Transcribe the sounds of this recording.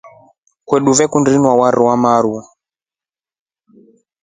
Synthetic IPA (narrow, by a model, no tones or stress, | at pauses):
kwɛɗuvɛkundinwawaɾʔiwamaɾu